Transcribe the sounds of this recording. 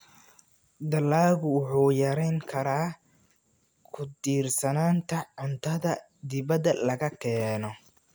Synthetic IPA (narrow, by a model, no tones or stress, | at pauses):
d̪ɐlaːɣʊwʊħuːjɐɾɛjŋkʰɐɾaː | kʰʊd̪iːrsɐnaːnt̪ʰɐʕʊnt̪ʰɐðɐ | d̪ɪβɐd̪ɐlɐɣɐkʰɛːnɔ